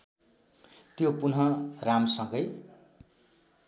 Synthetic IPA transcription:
t̪jopunɦʌramsʌŋɡʌj

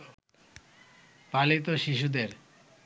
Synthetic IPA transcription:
palit̪oʃiʃud̪eɾ

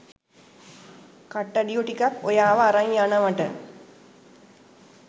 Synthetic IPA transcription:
kaʈːɐɖijuʈikapojaːʋəaɾɐŋjanɐʋɐʈə

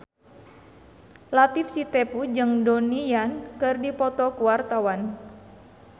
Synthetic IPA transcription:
lat̪ifsit̪epud͡ʒɨŋdonijankɨrdipɔt̪ɔkuwart̪awan

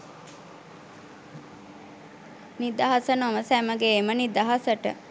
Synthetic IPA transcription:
nid̪aɦasənoməsæməɡeːmənid̪aɦasəʈə̰

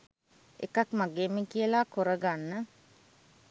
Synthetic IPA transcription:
ḛkakmaɡeːmːəkiəlaːkoɾəɡanːə

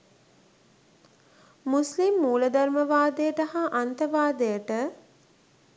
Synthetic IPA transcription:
muslimːuːləd̪arməʋaːd̪əjəʈəɦaʔːnt̪əʋaːd̪əjəʈə

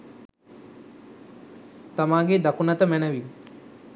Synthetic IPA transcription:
t̪amaːɡed̪akunat̪əmɛnəʋim

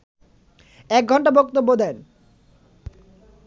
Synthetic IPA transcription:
ɛk̚ɡʱɔɳʈabɔk̚t̪obːod̪ɛn

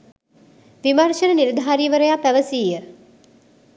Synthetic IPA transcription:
ʋimaɾʃənəniɾd̪ʱaːɾiːʋəɾəjaːpæʋəsiːjəɾ

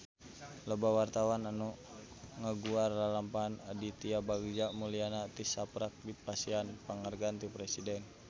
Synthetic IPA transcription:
ləbawart̪awananu | ŋəɡuarlalampaanadit̪iabaɡd͡ʒamulianat̪isapɾak̚dipasianpaŋarɡant̪ipɾɛsidɛn

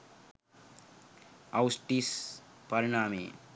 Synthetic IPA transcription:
ɐwsʈispɐɾiɳ̃aːmḛː

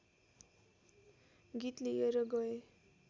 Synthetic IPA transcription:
ɡit̪lieɾʌɡʌe

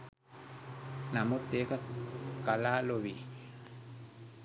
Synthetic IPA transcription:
namot̪ekakalalowi

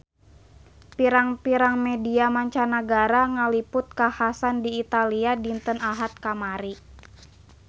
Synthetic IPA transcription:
piɾaŋpiɾaŋmɛdiamaɲt͡ʃanaɡaɾaŋalipʊt̪̚kahasandiːt̪aliadint̪ənaɦat̪̚kamaɾi

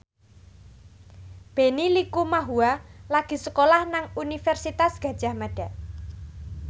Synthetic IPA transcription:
b̥e̤nilikumaɦualaɡ̥i̤səkolahnaŋunifɛrsit̪asɡ̥ä̤d̥ʒ̥a̤hmaɖ̥a̤ʔ

